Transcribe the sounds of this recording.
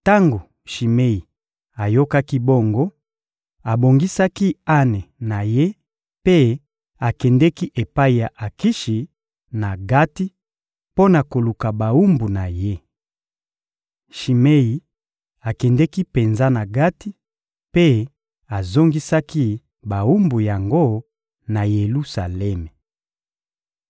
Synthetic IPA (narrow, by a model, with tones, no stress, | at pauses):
ta˦ŋɡo˨ | ʃi˨me˦i˨ | a˨jo˦ka˦ki˦bo˦ŋɡo˦ | a˨bo˨ŋɡi˦sa˦ki˦a˦ne˨na˨je˦ | pe˦ | a˨kɛ˨ndɛ˦ki˦ʔe˨pa˦i˨ja˨ʔa˨ki˦ʃi˨ | na˨ɡa˦ti˦ | po˦na˨ko˨lu˨ka˨ba˨u˦mbu˨na˨je˦ | ʃi˨me˦ji˨ | a˨kɛ˨ndɛ˦ki˦pe˨nza˦na˨ɡa˦ti˦ | pe˦ | a˨zo˦ŋɡi˦sa˦ki˦ | ba˨u˦mbu˨ja˨ŋɡo˦ | na˨je˨lu˦sa˨lɛ˦mɛ˨